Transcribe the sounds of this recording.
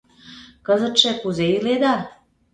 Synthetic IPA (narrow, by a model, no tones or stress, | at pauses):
kɤzə̆t̪ʃĕkuzeiled̪ɑ